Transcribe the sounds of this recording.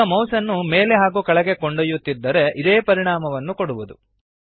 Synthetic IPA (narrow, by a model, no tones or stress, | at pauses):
ɐmɐwsɐnːumeːleɦaːɡukɐɭɐɡe̞koɳɖɐjut̪ːid̪ːɐɾe̞ʔid̪eːpɐɾiɳaːmɐʋɐnːukoɽuʋud̪ṵ